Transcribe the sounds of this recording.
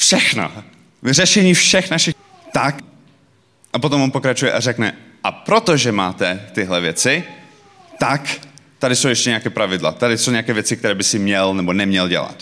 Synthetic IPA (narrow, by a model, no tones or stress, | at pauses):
fʃɛxno̰ | vrɛʃɛɲiːfʃɛxnaʃɪx | t̪ak | ʔapot̪omvonpo̞kɾat͡ʃujɛʔarɛknɛʔapɾot̪oʒɛma̰ːt̪ɛt̪ɪɦlɛvjɛt͡sɪ | t̪akt̪adɪsowjɛʃcɛɲɛakɛːpɾavɪdla̰t̪adɪsowɲɛakɛːvjɛt͡sɪkt̪ɛɾɛːbɪsɪmɲɛlnɛbonɛmɲɛlɟɛ̰la̰t̪